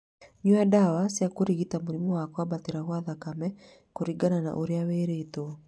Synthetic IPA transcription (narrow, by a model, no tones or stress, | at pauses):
ɲuadawasjakoɾiɣitamoɾimɔwakwabateɾaɣwaðakamɛ | koɾiɡanana̰ʔoɾeaweɾeto